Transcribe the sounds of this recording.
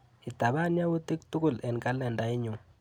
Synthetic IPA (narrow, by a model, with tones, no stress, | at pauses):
i˨ta˨βa˦nja˦wu˦ti˦ktu˦ku˦lɛ˨nka˦lɛ˨nda˨ɪ˦ɲu˨